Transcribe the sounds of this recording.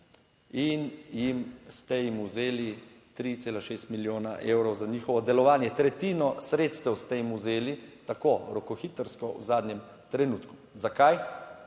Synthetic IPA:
injimst̪ɛjimuzeːli | t̪ɾit̪seːlaʃeːst̪miljoːnaʔeːwɾɔwzaɲiːxɔʋɔd̪ɛlɔʋaːnjɛt̪ɾɛt̪iːnɔsɾeːt̪st̪ɛwst̪ɛjimuzeːlit̪akoɾɔkɔxiːt̪əɾskɔṵzaːd̪njɛm | t̪ɾɛnuːt̪ku̥ | zakaj

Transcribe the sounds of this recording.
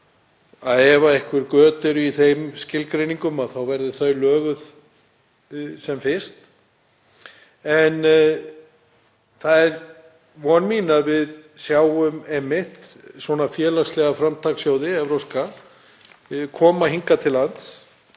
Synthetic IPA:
aðɛvaɪhkvɪɾkœːt̪ʏɾʏiθejmscɪlkɾejniŋkʏmaðθawvɛɾðʏθœɥlœːɣʏð | sɛmfɪst̪ | ɛn | θaðɛɾ | vɔnmiːnavɪðsjaːwʏmɛmːɪht̪ | swɔnafjɛːlast̪lɛɣafɾamt̪ʰaksjoːwðɪɛvɾowska | kʰɔːmaɦiŋkat̪ʰɪlːant̪s

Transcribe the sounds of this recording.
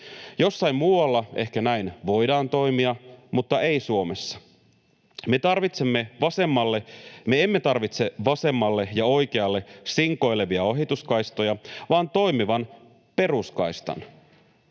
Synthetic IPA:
jo̞sːɑimmuːɑlːɑe̞hkænæinʋo̞jdɑːnt̪o̞imiɑmut̪ːɑʔe̞isuo̞mesːɑ̥ | me̞t̪ɑrʋit̪semːe̞ʋɑse̞mːɑlːe̞meemːet̪ɑrʋit̪se̞ʋɑse̞mːɑlːe̞jɑo̞jkeɑlːe̞siŋko̞jle̞ʋiɑoɦit̪uskɑjst̪o̞jɑʋɑːnt̪o̞jmiʋɑn | pe̞ruskɑjst̪ɑ̰n

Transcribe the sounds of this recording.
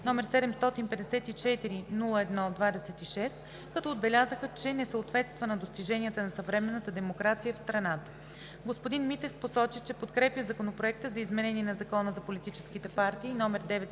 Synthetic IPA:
nɔmɛɾsɛd̪ɛmst̪ɔt̪inpɛd̪ɛsɛt̪it͡ʃɛt̪iɾinulˠəɛd̪nɔd̪vad̪ɛsɛt̪iʃɛs | kɐt̪ɔod̪̚bɛlʲazəxət͡ʃɛnɛsəot̪vɛt̪st̪vənɐd̪ost̪iʒɛniət̪ənɐsɐvɾɛmɛnːət̪əd̪ɛmokɾat̪sijəfst̪ɾɐnat̪ə̥ | ɡospod̪inmit̪ɛfposɔt͡ʃit͡ʃɛpot̪kɾɛpʲjəzɐkonopɾoɛk̚t̪əzɐizmɛnɛniɛnɐzɐkɔnəzɐpolit̪it͡ʃɛ̥skit̪ɛpaɾt̪iːnɔmɛɾd̪ɛvɛt̪

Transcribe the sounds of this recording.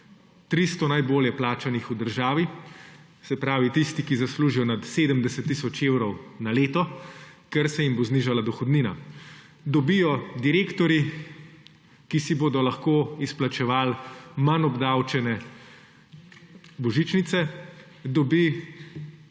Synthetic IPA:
t̪ɾist̪ɔnajboːljɛplaːt͡ʃanixud̪əɾʒaːʋi | sɛpɾaːʋit̪ist̪ikizasluːʒijɔnat̪seːd̪əmd̪ɛsɛt̪ːisɔt͡ʃewɾɔwnaleːt̪ɔkɛɾsɛjimbozniːʒalad̪ɔxɔd̪niːna̰ | d̪ɔbijɔd̪iɾeːkt̪ɔɾi | kisiboːd̪ɔlaxkoːisplat͡ʃɛʋaːlmanɔbd̪awt͡ʃɛnɛ | bɔʒit͡ʃnit̪sɛ | d̪ɔbi

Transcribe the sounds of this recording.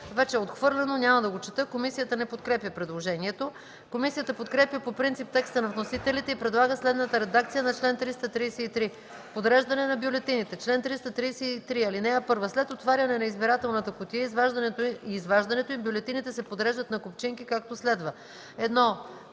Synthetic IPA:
vɛt͡ʃɛot̪xvɤɾlʲɛnonʲamɐd̪ɐɡot͡ʃɛt̪ɤkomisijət̪ənɛpot̪̚kɾɛpjəpɾɛd̪lˠoʒɛniɛt̪o | komisijət̪əpot̪kɾɛpjəpopɾint̪sip̚t̪ɛkst̪ənɐvnosit̪ɛlit̪ɛipɾɛd̪lˠaɡəslɛd̪nət̪əɾɛd̪ak̚t̪sijənɐt͡ʃlɛnt̪ɾist̪ət̪ɾiːsɛit̪ɾi | pod̪ɾɛʒd̪ɐnɛnɐbjolɛt̪init̪ɛt͡ʃlɛnt̪ɾist̪ət̪ɾiːsɛit̪ɾiɐlinɛɐpɤɾvəslɛt̪ot̪vaɾʲɐnɛnɐizbiɾat̪ɛlˠnət̪əkot̪ijəizvaʒd̪ɐnɛt̪oiːzvaʒd̪ɐnɛt̪oimbjolɛt̪init̪ɛsɛpod̪ɾɛʒd̪ət̪nɐkopt͡ʃiŋkikak̚t̪oslɛd̪və | ɛd̪nɔ

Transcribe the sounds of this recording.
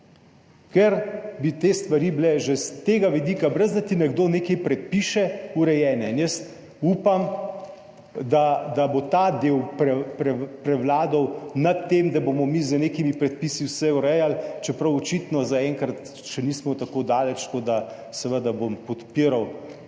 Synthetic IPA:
kɛɾbit̪est̪ʋaɾiːblɛʒɛst̪eːɡaʋid̪ikabɾəzd̪at̪inɛɡd̪oːnekɛjpɾɛt̪̚piʃɛuɾɛjɛːnɛinjəst̪ | upam | d̪ad̪abot̪ad̪ewpɾɛpɾɛpɾɛwlaːd̪ɔwnat̪ːemd̪abomɔmizəneːkimipɾɛt̪̚piːsiwsɛuɾɛjalt͡ʃɛpɾɐwɔt͡ʃit̪nɔzaɛːŋkɾat̪ | ʃɛniːsmɔt̪akod̪aːlɛt͡ʃkod̪a | sɛʋəd̪abompɔt̪piɾaw

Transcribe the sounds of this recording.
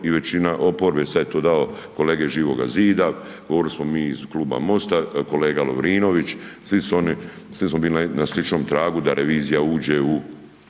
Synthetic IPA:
iʋe̞t͡ɕinaʔo̞po̞ɾbesad̪jet̪oːd̪aoko̞leːɡeʒiːʋo̞ɡa̰ziːd̪a | ɡoʋoɾilismo̞miːzkluːba̰mo̞st̪ako̞leːɡalo̰ʋɾiːno̞ʋit͡ʃsʋisuoni | slismobiːlinaslit͡ʃno̞mt̪ɾaːɡud̪aɾʔeʋiːzijauːd͡ʑeu

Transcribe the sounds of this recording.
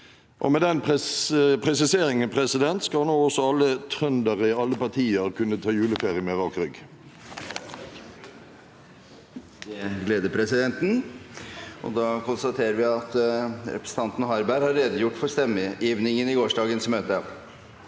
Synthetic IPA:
ʔɔ̰mɛːd̪ɛnpʰ | pʰʁɛsɪseːʁɪŋənpʰʁɛsɪd̪ɛnt̪skɑlnoːɔsɔɑlːət̪ʰʁœnd̪əʁəɪɑlːəpɑt̪ʰiːəʁkʰʉnːət̪ʰɑːjʉːləfeːʁɪəmɛʋɑkʁʏɡ | d̪ɛɡleːd̪əpʰɾɛsɪd̪ɛnt̪n̩ | ʔɔ̰d̪ɑːkʊnst̪ɑt̪ʰeːɾəɾʋɪɑt̪ɾɛ̰pɾəsə̥ɑnt̪nɦɑɾbæɾhɑɾɾeːd̪əjʊʈːfɔɾst̪ɛmːəjiːʋnɪŋənɪɡoːʂɖɑːɡənsmøːt̪ə

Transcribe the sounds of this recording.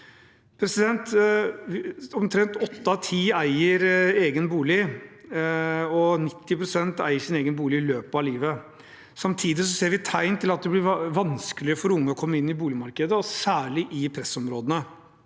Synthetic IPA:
pʰɾɛsɪd̪ɛnt̪ʋɔmt̪ʰɾɛnt̪ɔt̪ːɑt̪ʰiːæɪəɾeːɡənbuːlɪ | ɔnɪt̪ːɪpɾʊsɛnt̪æ̰ɪəʂɪneːɡənbuːlɪɪløːpɑliːʋə | sɑmt̪ʰiːd̪ɪsɔseːɾʋɪt̪ʰæɪnt̪ʰɪlɑt̪̚d̪ɛblɪʋɑnskəlɪəfɔɾʊŋːəɔkʰɔmːəɪnːɪbuːlɪmɑɾkəd̪əɔsæːɭɪʔɪpʰɾɛsɔmɾoːd̪ənə

